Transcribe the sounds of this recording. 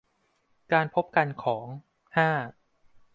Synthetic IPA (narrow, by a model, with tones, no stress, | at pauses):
kaː˧npʰo˦˥p̚ka˧nkʰɔː˩˦ŋ | haː˥˩